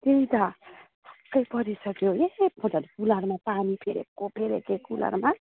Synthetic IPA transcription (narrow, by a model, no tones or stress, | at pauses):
t̪eĩt̪asʰʌ̥kːʌjpʌɾisʌkjojeepʰod͡zankularmapanipʰeɾḛkːopʰeɾḛkekula̰rma